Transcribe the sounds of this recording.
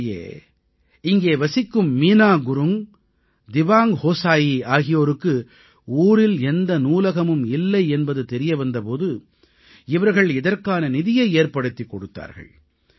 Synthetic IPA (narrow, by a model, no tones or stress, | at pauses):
jḛː | ɪŋɡeːʋɐsɪkːɯmːiːnaːɡʊɾɯm | d̪ɪʋaːŋhoːsaːjiaːɣɪjoːɾɯkːɯ | uːɾɪlɛnd̪ɐnuːlɐɣɐmɯmɪlːɐɪɛnbɐðɯt̪ɛɾɪjɐʋɐnd̪ɐpoːðɯ | ɪʋɐɾɣɐɭɪðɐrkaːnɐnɪðɪjɐeːɾpɐɽɯt̪ːikːɔɽɯt̪ːa̰ːɾɣɐ̰ɭ